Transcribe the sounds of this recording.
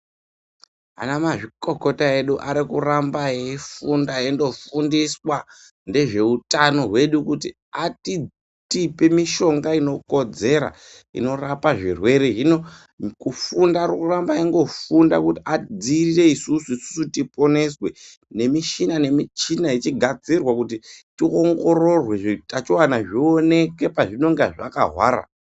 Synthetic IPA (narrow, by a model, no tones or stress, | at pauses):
a̰namaʐiko̞ko̞tae̞ɗuʔa̰ɾikurambajeifundajendo̞fundiswa | nde̞ʐe̞utano̞ɦwe̞ɗukuti | ati | tipe̞miʃo̞ŋɡaino̞ko̞d͡ze̞ɾa̰ | ḭno̞rapaʐḭrwe̞ɾeɦino | kufundaɾukurambaiŋɡo̞funda̰kutiad͡zirire̞isusuisu̥sutipo̞ne̞swe̞ | ne̞miʃinane̞mit͡ʃinait͡ʃiɡʱad͡zirwakutitioŋɡo̞ɾo̞rwe̞ʐitat͡ʃiwanaʐione̞ke̞paʐino̞ŋɡaʐaka̰ɦwa̰ːɾa̰